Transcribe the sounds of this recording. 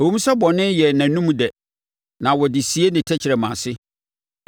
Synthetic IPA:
æ˨wũ˦m˦sɛ˦bɔ˨nɪ̃˦njɛ˨næ̃˨nũ˦m˦dɛ˨ | nã˨wɔ˨dɪ˨si˨˦e˦nɪ̃˨tʰɛ˦t͡ɕʰɪ˨ɾɛ˨mã˨sɪ˦

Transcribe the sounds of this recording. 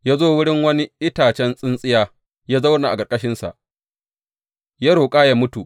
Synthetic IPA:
jaː˦zoː˦wʊ˦ɽɪ˦ŋwɐ˦ni˦ʔɪ˦taː˨t͡ʃɛ˦nsʼɪ˦nsʼɪ˦jaː˦ | jaː˦za˦wna˨ʔa˨ɡɐ˨rkʼɐ˦ʃɪ˦nsa̰˨ʔ | ja˦ɽoː˨kʼaː˦jaː˦mʊ˦tu˨ʔ

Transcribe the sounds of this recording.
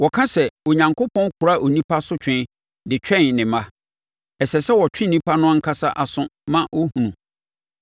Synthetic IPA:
wɔ˨kʰã˦sɛ˨o˨ɲã˨ŋkʊ˦pʰɔ̃˦n˦kʰʊ˨ɾa˦˨ʔo˨nĩ˦pʰa˦sʊ˦t͡ɕᶣʰɪ̃˦n | dɪ˨t͡ɕᶣʰɛ̃˦nnɪ̃˨mã˦ | ɛ˨sɛ˨sɛ˦wɔ˨t͡ɕᶣɪ̃˦nːĩ˦pʰa˦nʊ̃˦a˦ŋ̩˦kʰa˦sa˦ʔa˨sʊ̃˦mã˦wo˦hũ˨nũ˨

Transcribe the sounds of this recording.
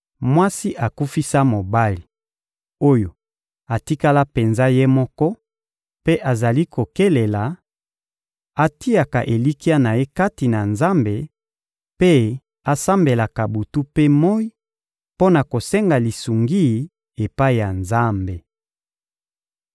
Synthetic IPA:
mwa˦si˦ʔa˨ku˦fi˦sa˦mo˨ba˦li˨ | o˦jo˨ | a˨ti˦ka˦la˦pe˨nza˦je˦mɔ˦kɔ˦ | pe˦ʔa˨za˨li˦kʰo˨ke˦le˨la˨ | a˦ti˦a˨ka˨ʔe˨li˦ki˦a˦na˨je˦ka˦ti˨na˨nza˦mbe˨ | pe˦ | a˨sa˦mbe˨la˨ka˨bu˨tu˦pe˦mɔ˦i˦ | po˦na˨ko˨sɛ˦ŋɡa˨li˨su˨ŋɡi˦˨ | e˨pa˦i˨ja˨nza˦mbe˨

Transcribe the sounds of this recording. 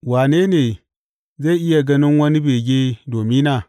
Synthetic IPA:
wa˨ne˦ne˨ | za˦i˦ʔi˦ja˨ɡa˦ni˦n˦wa˦ni˦be˨ɡʲe˦do˨mi˦na˦˨

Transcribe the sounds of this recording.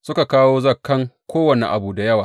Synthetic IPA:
sʊ˦ka˨kaː˦woː˦zɐ˦˨kːɐ˦ŋkʷoː˦wɐ˨nḭ˨ʔa̰˨buː˨da˨jɐ˦waː˨

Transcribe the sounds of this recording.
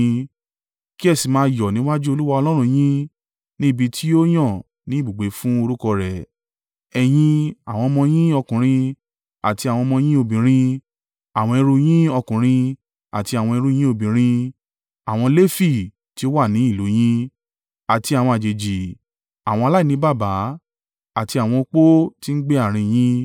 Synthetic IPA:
ki˦ɛ˦˨si˨mãː˧˦jɔ˨nĩ˨˦wa˦d͡ʒu˦o˧lu˦wa˧ɔ˧lɔ˦ɾ̃ũ˧j̃ĩ˦ | nĩ˦˨bi˧tʰi˦o˦j̃ɔ̃˦˨ | nĩ˦bu˨ɡ͡be˨˦fũ˦o˧ɾu˦kɔ˧ɾɛ˨ | ɛ˨j̃ĩ˧a˨w̃ɔ̃˧mɔ̃˧j̃ĩ˦ɔ˧kũ˨ɾ̃ĩ˧ | a˨ti˧a˨w̃ɔ̃˧mɔ̃˧j̃ĩ˦o˧˨bĩ˨ɾ̃ĩ˧ | a˨w̃ɔ̃˧ɛ˧ɾu˧j̃ĩ˦ɔ˧kũ˨ɾ̃ĩ˧ | a̰˨ti˧a˨w̃ɔ̃˧ɛ˧ɾu˦j̃ĩ˦o˧bĩ˨ɾ̃ĩ˧ | a˨w̃ɔ̃˧le˦fi˦˨ | ti˧˦o˦wa˦˨nĩ˨˦i˦˨lo˨˦j̃ĩ˦ | a˨ti˧a˨w̃ɔ̃˧a˨d͡ʒe˨d͡ʒi˨ | a˨w̃ɔ̃˧a˧la˦i˦˨nĩ˨˦ba˦˨ba˨˦ | a˦˨ti˧a˨w̃ɔ̃˧k͡po˦ti˦n̩˦ɡ͡be˦a˦˨ɾ̃ĩ˧j̃ĩ˦

